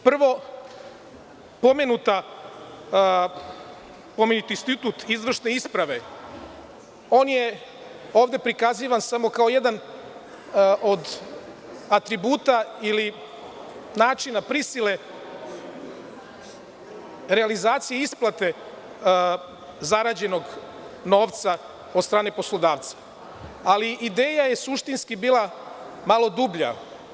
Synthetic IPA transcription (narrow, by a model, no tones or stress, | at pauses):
pr̩ʋo̞ | po̞menut̪a | po̞menut̪inst̪it̪ut̪izʋr̩ʃne̞ispɾaʋe̞ | o̞ːnje | o̞ːʋd̪e̞pɾikaziʋansamo̞kaoje̞d̪an | ʔod̪ | at̪ɾibuːt̪aili | naːt͡ʃinapɾisile̞ | ɾealizaːt̪sijeisplat̪e̞ | zaɾaːd͡ʑe̞no̞ɡ | no̞ːʋt̪sa | od̪st̪ɾaːne̞poslˠo̞d̪aːʋt̪sḁ | aliʔid̪e̞ːjajesuʃt̪inskibiːlˠa | malo̞d̪ubʎa̰